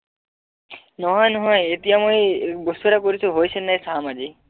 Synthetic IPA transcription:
nɔɦɔjnɔɦɔjet̪ijamojbost̪uɾakoɾit͡ɕʰuɦojt͡ɕʰenːajsamad͡ʑi

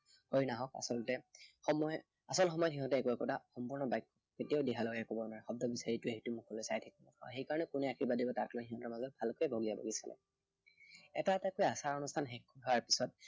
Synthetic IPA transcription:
hojnaɦɔka̰sɔltɛxɔmɔj | asɔlxɔmɔjɔtɦiɦɔtɛːkuɛkɔtaxɔmpuɹnɔbajkːɔ̥ketijaʊdiɦalɔɡakɔbɔnwaɹɛxɔb̚dɔbisaɹitʊeɦitʊmukʰɔlojsajtʰɛkɔmɔkʰa̰xejkaɹɔnɛkunɛakʰiɹbadibɔtaɹkalaɦiɦɔ̃tɔɹmazɔt̚bʱalkojbʱoɡiabʱo̰ɡisa̰lɛ̰ | ɛtatakojasaɹɔnustʰanɦɛkːuɦɔaɹpisɔt̚

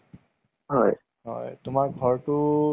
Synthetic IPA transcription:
ɦɔj | ɦɔ̰jtumaɹɡʱɔɹtu

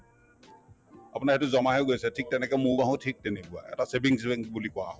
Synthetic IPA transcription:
a̰pʊnaɹhetuzɔmaɦeɡojsɛtʰik̚tɛnɛkɛmũbaɦũtʰik̚tenibua̰ɛ̰tasebiŋsbɛŋbulikɔwa̰ɦɔ

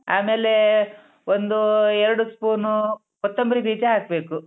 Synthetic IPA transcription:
a̰ːmeːle̞ | ond̪uɛɾɐɽuspuːɾnu | ɔt̪ːɐmbɐɾibiːd͡ʒaɦaːk̚be̞ːku

